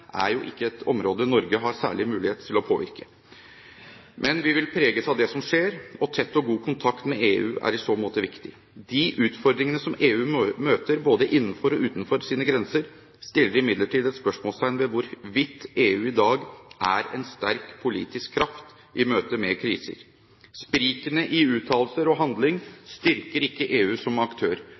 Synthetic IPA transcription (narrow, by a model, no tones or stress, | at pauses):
ʔæ̰ɾjʊʔɪ̰kːəɛt̪ʰɔmɾoːd̪ənɔɾɡəɦɑɾsæ̰ːɭɪmʉːlɪheːt̪ʰɪlɔpʰoːʋɪ̰ɾkə̥ | mʔɛnʋɪʋɪlpʰɾeːɡəsɑd̪ɛsɔmʂeːɾɔt̪ʰɛt̪ːɔɡuːkʰʊnt̪ʰɑkt̪mɛeːʉ̰ːʔæ̰ɾɪsoːmoːt̪əʋɪkt̪ɪ | d̪ɪʔʉːt̪fɔɾd̪ɾɪŋənəsɔmeːʉːmøːt̪əɾboːd̪əʔɪnːfɔɾɔʉːt̪nfɔɾsiːnəɡɾɛnsəɾ | st̪ɪlːəɾɪmɪd̪ləʈiːd̪ɛt̪spœʂmoːlst̪ʰæɪnʋɛʋʊɾʋɪt̪ːeːʉːɪd̪ɑːɡʔæ̰ɾɛ̰nst̪æɾkpʰʊlḭːt̪ɪskʰːɾɑft̪ | ʔɪmøːt̪əmɛkʰɾḭːsə̰ɾ | spɾiːkənəʔɪʉːt̪ʰɑːllsəɾɔɦɑnd̪lɪŋst̪ɪɾkəɾɪkːəʔeːʉːsɔmɑkt̪ʰøːɾ